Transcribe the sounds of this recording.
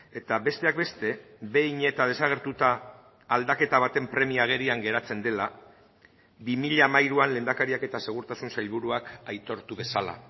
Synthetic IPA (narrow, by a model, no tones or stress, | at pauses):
e̞t̪aβe̞st̪eak̚be̞st̪e̞be̞jɲe̞t̪að̞e̞saɣ̞e̞ɾt̪ut̪aː | ld̪ake̞t̪aβat̪e̞mpɾe̞miaɣ̞e̞ɾiaŋɡe̞ɾat͡se̞nd̪e̞la | bimiʎamajɾuanle̞nd̪akaɾiake̞t̪ase̞ɣ̞uɾt̪asunsajʎβuɾuakajt̪o̞ɾt̪uβe̞sala̰